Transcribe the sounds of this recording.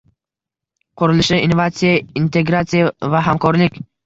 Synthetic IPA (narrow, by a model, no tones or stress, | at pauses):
qʰʊɾɪlɪʃɪinovat̪sijaint̪ʰe̞ɡɾat̪sijavaɦamkʰɒɾlɪkʲ